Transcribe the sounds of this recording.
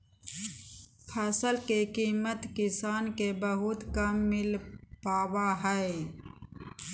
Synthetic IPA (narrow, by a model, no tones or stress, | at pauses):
pʰɛːsəlkekiːmət̪kɪsaːnkebəɦʊt̪kəmːɪlpaːwaɦɛe